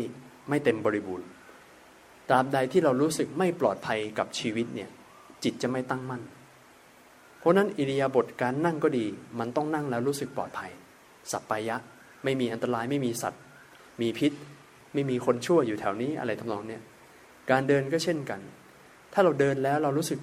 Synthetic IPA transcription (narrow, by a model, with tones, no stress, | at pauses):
j | ma˥˩jt̪e˧mbɔː˧ɾi˦˥buː˧n | t̪aː˧mda˧jt̪ʰiː˥˩ɾa˧wɾuː˦˥sɯ˨˩k̚ma˥˩jplɔː˨˩t̪̚pʰa˧jka˨˩p̚t͡ɕʰiː˧wi˦˥t̪̚ni˥˩ɐ | t͡ɕi˨˩t̪̚t͡ɕa˨˩ma˥˩jt̪a˥˩ŋma˥˩n | pʰɔ˦˥na˦˥nʔi˧li˧jaː˧bo˨˩t̪̚kaː˧nːa˥˩ŋkɔː˥˩diː˧ma˧nt̪ɔ˥˩ŋna˥˩ŋlɛː˦˥wɾuː˦˥sɯ˨˩k̚plɔ̰ː˨˩t̪̚pʰa˧j | sa˨˩t̪̚pːaː˧jːa˦˥ʔ | ma˥˩jmiː˧ʔa˧nt̪a˧ɾaː˧jma˥˩jmiː˧sa̰˨˩t̪̚ | miː˧pʰi˦˥t̪̚ | ma˥˩jmiː˧kʰo˧nt͡ɕʰu˥˩ɐjuː˨˩t̪ʰɛ˩˦wniː˦˥ʔa̰˧ɾa˧jt̪ʰa˥mnɔː˧ŋni˥˩ɐ | kaː˧ndɤː˧nkɔː˥˩t͡ɕʰe˥˩nka˧n | t̪ʰaː˥˩ɾa˧wdɤː˧nlɛː˦˥wɾa˧wɾuː˦˥sɯ˨˩k̚